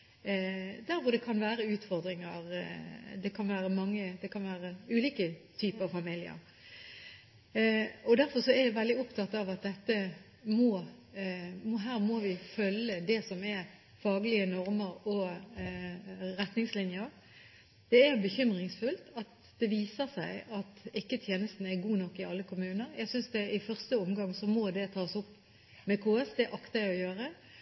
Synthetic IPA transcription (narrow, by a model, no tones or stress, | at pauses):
d̪æɾʋʊɾd̪ɛkʰɑnʋæːɾəʉːt̪fɔɾd̪ɾɪŋəɾd̪ɛkʰɑnʋæːɾəmɑŋːəd̪ɛkʰɑnʋæːɾəʉːliːkət̪ʰyːpəɑʋfɑmɪlɪə̰ɾ | ɔd̪æɾfɔɾʂɔæɾjæɪʋɛld̪ɪɔpt̪ʰɑt̪ːɑʋɑt̪̚d̪ɛt̪ːə | mɔ | mɔɦæːɾmoʋɪfœlːəd̪ɛsɔmɛ | fɑːɡəlɪənɔɾməɾɔ | ʁɛt̪nɪŋslɪnjəɾ | d̪̥ɛæbəçʏmʁɪŋsfʉlt̪ɑt̪ | d̪̥ɛʋiːsəʁsæɪɑt̪ɪkːət̪ʰjeːnəst̪n̩æʁɡuːnɔkːɪɑlːəkʰʊmʉːnəɾjæɪɡsʏnsd̪ɛɪfœʁst̪əʊmɡɑŋsɔmɔd̪ɛt̪ʰɑːsʊpː | mɛkʰoːɛsd̪ɛʔɑkt̪ɑɔjøːʁə